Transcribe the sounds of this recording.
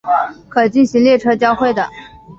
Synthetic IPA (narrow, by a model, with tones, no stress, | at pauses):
kʰɤ˨˩t͡ɕi˥˩nɕi˧˥ŋljɛ˥˧ʈ͡ʂʰɤ˥t͡ɕjɑ˥ʊxwe˥˩ɪd̪ə˩